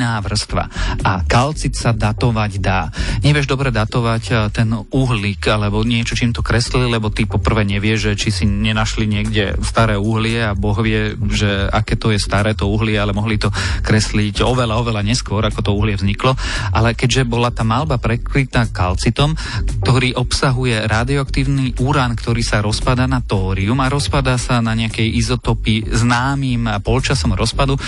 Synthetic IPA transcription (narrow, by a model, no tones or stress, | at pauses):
naːʋr̩st̪ʋa̰akalt͡sit̪sad̪at̪ɔʋaɟd̪aːɲɛʋɪɛʒd̪ɔbɾɛd̪at̪ɔʋact̪ɛnuɦlikalɛbɔɲɪɛt͡ʃɔt͡ʃiːmt̪ɔkɾɛslilɛbɔt̪ipɔpr̩ʋɛːɲɛʋɪɛʒʒɛt͡ʃisiɲɛnaʃliɲɪɛɡɟɛst̪aɾɛːuɦlɪɛabɔɣʋɪɛʒɛa̰kɛːt̪ɔjɛst̪aɾɛːt̪ɔuɦlɪɛalɛmɔɦlit̪ɔkɾɛsliɟɔʋɛlaɔʋɛlaɲɛskʊɔɾakɔt̪ɔuɦlɪɛvzɲiklɔʔalɛkɛɟʒɛbɔlat̪aːmalbapɾɛkɾit̪aːka̰lt͡sit̪ɔm | t̪ɔɾiːʔɔpsaɦujɛɾaːd̪iɔakt̪iːʊniʔuɾankt̪ɔɾiːsaɾɔspad̪aːnat̪ɔːɾiumaɾɔspad̪asanaɲɛakɛjʔizɔt̪ɔpiznaːmiːmpɔlt͡ʃasɔmɾɔspad̪u